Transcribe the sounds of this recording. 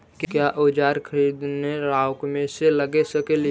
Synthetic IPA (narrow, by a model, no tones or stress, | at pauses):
kkjaʔod͡ʒaːɾkʰəɾiːd̪neɾaːʊkmẽseləɡesəkeli